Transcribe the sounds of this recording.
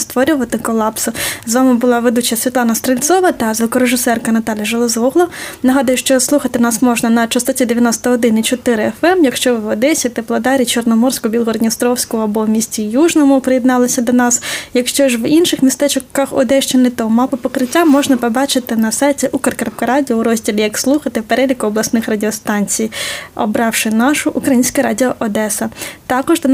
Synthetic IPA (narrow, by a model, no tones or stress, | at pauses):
st̪ʋɔɾʲʊʋɐt̪ɪkɔlˠɑpsʊzʋɑmɪbʊlˠɑʋed̪ut͡ʃjɐsʲʋʲit̪lˠɑnɐst̪ɾelʲt̪sɔʋɐt̪ɐzɐkɔɾeʒɪsɛrkɐnɐt̪ɑlʲjɐʒɐlˠɔzɔɦlˠɔnɐɦɑd̪ɐjʊʃt͡ʃɔslˠuxɐt̪ɪnɑsmɔʒnɐnɐt͡ʃɐst̪ɐtʲid̪eʋʲjɐnɔst̪ɐɦɔd̪ɪnit͡ʃɔt̪ɪɾɪɛfɛmjɐkʃt͡ʃɔʋʋɔd̪ɛsʲɐt̪eplˠɐd̪ɑɾʲit͡ʃɔrnɔmɔrsʲkʊbʲilˠɦɔɾɔd̪ʲnʲist̪ɾɔwsʲkɔɐbɔmʲisʲtʲijuʒnɔmʊpɾɪjɪd̪nɑlˠɐsʲɐd̪ɔnɑsjɐkʃt͡ʃɔʒʋinʃɪxmʲist̪ɛt͡ʃkɐxɔ̰d̪ɛʃt͡ʃɛnɪt̪ɔmɑpɐpɔkɾɪtʲːamɔʒnɐpɔbɑt͡ʃɪt̪ɪnɐsɑjtʲiʔukɐrkɾɐpkɐɾɑdʲiɔuɾɔzʲdʲilʲijɐkslˠuxɐt̪ɪpeɾɛlʲikʊɔblˠɐsnɪxrɐdʲɪɔst̪ɑnʲt͡sʲijɔbɾɑwʃɪnɑʃʊʔukɾɐjinʲsʲkɐɾɑdʲiɔʔɔd̪ɛsɐt̪ɑkɔʒd̪